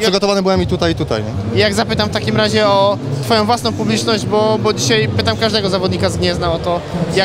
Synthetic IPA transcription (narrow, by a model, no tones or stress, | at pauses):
pʂɘɡɔt̪ɔvanɛbɘwɛmit̪ut̪ajit̪ut̪a̰jɛjaɡzapɘt̪amft̪akʲimɾaʑɛɔt̪fɔjɔ̃w̃vwasnɔ̃w̃publʲit͡ʂnɔʑd͡ʑbɔbɔd͡ʑiɕajpɘt̪amkaʐd̪ɛɡɔzavɔd̪ɲikazɡɲɛznaɔt̪ɔja